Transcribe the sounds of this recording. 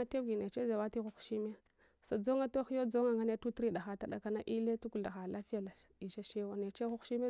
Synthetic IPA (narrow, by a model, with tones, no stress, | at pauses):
a˦te˦ɡi˨ne˨t͡ʃe˦za˨wa˦ti˦xu˦xʃi˦mi˦ja˦ | sa˨d͡zo˦ŋa˦to˦xi˦jo˦d͡zo˦ŋa˨ŋa˦ne˦tu˦tɾi˦ɗa˨xa˦ta˦ɗa̰˨ka˦na˦ʔi˦le˦tu˦ku˨da˨xa˨la˦fi˦ja˨la˨i˨ʃa˦ʃe˦wa˨ne˨t͡ʃe˦xu˦xʃi˦m˦